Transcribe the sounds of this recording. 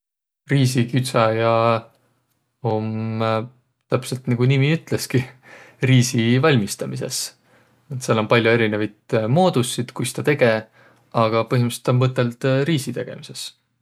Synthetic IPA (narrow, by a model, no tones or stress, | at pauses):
riːsikyt̪sɑjɑ | om | t̪æpselt̪niɡ̥unimiyt̪ˑle̞skiriːsivɑlʲmist̪ɑmise̞̰s | et̪selo̞mpɑlʲjue̞ɾinevɑjt̪mo̞ːd̪̥usːid̪̥kujst̪ɑt̪e̞ɡ̥e̞ | ɑɡ̥ɑpɤɦimɑset̪o̞nmɤt̪ːˑe̞lt̪ɾiːsit̪e̞ɡ̥e̞̰mise̞s